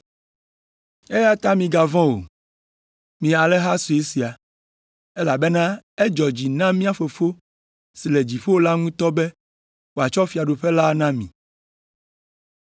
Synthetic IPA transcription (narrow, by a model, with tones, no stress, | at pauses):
e˦ja˦t̪a˦mĩ˨ɡa˨vɔ̃˦wo̰˨ | mĩ˨a˨lɛ˦ɦa˦su˨e˦si˨a˨ | ɛ˦la˨be˦nã˦e˦d͡ʒɔ˨d͡ʑi˨nã˦mĩ˦a˨fo˨fo˦ | si˨le˨d͡ʑi˨ɸo˦wo˦la˦ŋũ˦t̪ɔ˦be˦ | wo˨a˨t͡ʃɔ˦fi˨a˨ɖo˨ɸe˦la˦nã˦mĩ˨